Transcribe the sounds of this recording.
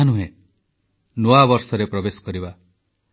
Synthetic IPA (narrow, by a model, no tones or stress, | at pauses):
anuɦẽ | noabɔɾsɔɾepɾɔbesɔ̥kɔɾiba